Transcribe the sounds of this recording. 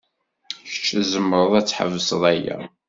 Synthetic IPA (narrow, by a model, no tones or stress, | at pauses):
çə̥t͡ʃːəzəmːɾˤəðˤæt͡sːħə̰vːəsəðˤæjæ̰